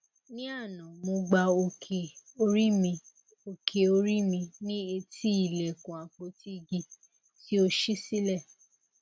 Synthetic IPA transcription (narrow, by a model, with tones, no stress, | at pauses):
nĩ˦a˦˨nã˨mũ˧ɡ͡ba˧o˧kʰe˨o˧ɾi˦mĩ˧ | o˧kʰe˨o˧ɾi˦mĩ˧nĩ˦e˧tʰi˦i˦˨lɛ˨kũ˨a˨k͡po˧ti˦ɡi˧ | ti˦o˧ʃi˦si˦lɛ˦˨